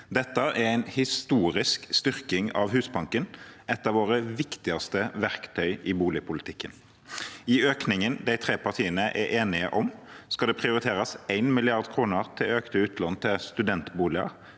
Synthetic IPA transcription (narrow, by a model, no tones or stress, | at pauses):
d̪ɛt̪ːəʔæɾæɪnhɪst̪uːɾɪskst̪ʏʁkɪŋɑ̰ʋhʉːsbɑŋkənɛt̪ːɑʋoːɾəʋɪkt̪ɪɑst̪əʋæʁkt̪ʰœʏʔɪbuːlɪpʰʊlɪt̪ʰɪkːən | ɪøːknɪŋənd̪æɪt̪ʰʁeːpɑʁt̪ʰiːənəʔɛɾʔeːnɪə̰ʔɔmskɑd̪ɛpʰʁɪʊɾɪt̪ʰeːɾɑsæɪnmɪlɪɑʁd̪kʰʁuːnəʁt̪ʰɪløːkt̪əʉːt̪ʰlɔnt̪ʰɪlst̪ʉd̪ɛnt̪buːlɪɑ̰